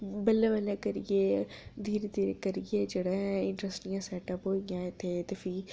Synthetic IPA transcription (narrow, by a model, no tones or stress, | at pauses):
bəlːẽʋəlːeːkəɾijeːd̪iːɾed̪iːɾekəɾijeːd͡ʒeːɽeːɪ̃ɳʈɾəsʈijãːsɛːʈəpɦoːijãːet̪ʰːet̪eːpʰiː